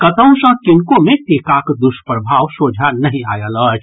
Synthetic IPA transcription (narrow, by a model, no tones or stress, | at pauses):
kɐt̪ə̃ʊ̃sə̃kɪnkõmẽt̪eːkakd̪ʊʃpɾəbʱaːʋsoːd͡ʒʱanɐɦĩa̰ːjələːt͡ʃʰ